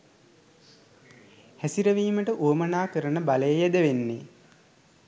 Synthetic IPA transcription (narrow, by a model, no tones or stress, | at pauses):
hæsiɾəʋiːməʈəʔuəmənaːkəɾənəbaləjəjed̪əʋenːe